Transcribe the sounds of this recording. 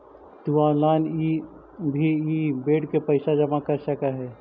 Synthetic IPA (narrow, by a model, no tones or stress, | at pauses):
t̪uãːlaːni | bʱiibeːɽkepəɪsad͡ʒəmakəɾsəkaɦɛː